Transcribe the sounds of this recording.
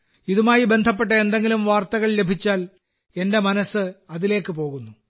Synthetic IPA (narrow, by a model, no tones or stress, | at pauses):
iðumaːjibe̞nd̪ʱɐp̬ːeʈ̬ːɐend̪eŋɡilumʋaːrt̪ɐɣɐɭle̞bʱit͡ɕːaːl | e̞nde̞mɐnɐsːɨɐðile̞ːkːɨp̬o̞ːɣunːu